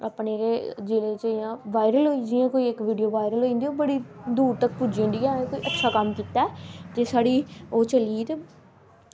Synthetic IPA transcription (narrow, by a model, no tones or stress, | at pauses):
apneːɾeːd͡ʒɪleːt͡ʃəãːʋaːɪɾəlɦoːid͡ʒɪjãːkoːiːɪkʋiːɖijoːʋaːɪɾəlɦoːĩnd̪iːoːbəɽiːd̪uːɾt̪ək̚puːd͡ʒẽːnd̪ijãːẽːkoːiːʔətːʃʰaːkəmkiːt̪aɛd͡ʒeːsaːɽiːoːt͡ʃəliːt̪e